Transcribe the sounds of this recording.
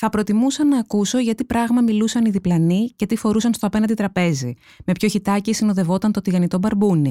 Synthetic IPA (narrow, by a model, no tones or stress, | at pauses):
θɐpɾo̞t̪imusɐnɐːkuso̞ʝɐt̪ipɾɐɣmɐmilusɐniðiplɐnice̞t̪ifo̞ɾusɐnst̪o̞ɐp̞nɐnd̪it̪ɾɐpe̞zi | me̞pço̞çit̪ɐcisino̞ðe̞vo̞t̪ɐnt̪o̞t̪iɣɐnit̪o̞bɐɾbuni